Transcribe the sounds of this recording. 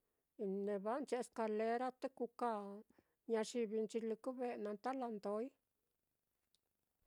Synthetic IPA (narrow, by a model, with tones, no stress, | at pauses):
ne˨ba˦nt͡ʃe˧ska˧˨le˧ɾa˦t̪e˦ku˧ka˧˨ | ɲa˧ʂi˧bi˧nt͡ʃi˧li˧ku˦be˧na˧nt̪a˦la˧nd̪o˧˦j